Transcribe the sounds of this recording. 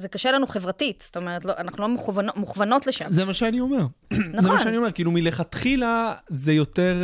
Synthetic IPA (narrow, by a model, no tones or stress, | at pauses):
zekaʃelanuχevʁatit̪st̪o̞meʁetloʔanaχnulomeχuvanomuχvano̞tleʃa̰mzemaʃeanio̞me̞ʁnazemaʃeanio̞me̞kilumileχat̪χilazejo̞t̪e̞ʁ